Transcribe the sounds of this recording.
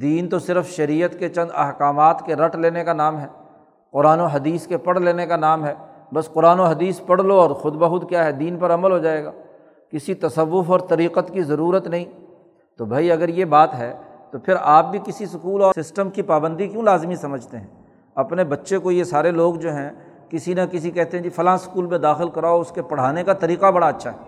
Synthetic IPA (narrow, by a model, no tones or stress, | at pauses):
d̪iːnt̪osɪɾəfʃɐɾiːət̪ket͡ʃɐ̃nd̪ɐ̰ɦkaːmaːt̪keɾɐʈʰleːnekanaːmɦɛː | qʊɾaːnoɦɐd̪iːskepɐɽ̤leːnekanaːmɦɛː | bɐsqʊɾaːnoɦɐd̪iːspɐɽ̤loɔːɾxʊd̪bɐɦʊt̪kjaːɦɛd̪iːnpɐɾɐməlɦod͡ʒaːeːɡa̰ː | kɪsit̪ɐsəʋːʊfɔːɾt̪ɐɾiːqət̪kizɐɾuːɾət̪nɐɦĩː | t̪obʱaːiɐɡəɾjebaːt̪ɦɛːt̪opʰɪɾaːp̚bʱikɪsisʊkuːlɔːsɪsʈəmkipaːbə̃nd̪ikjũːlaːzmĩsɐməd͡ʒʱt̪eɦɛ̃ː | ɐpnebɐtːʃekojesaːɾeloːɡd͡ʒoːɦɛ̃ | kɪsinɐkɪs̬ikɛɦt̪eɦɛ̃d͡ʒifʰɐlaãskuːlmẽd̪aːxɪlkɐɾaːoʊskepɐɽ̤aːnekat̪ɐɾiːqabɐɽaɐtːʃʰaɦɛː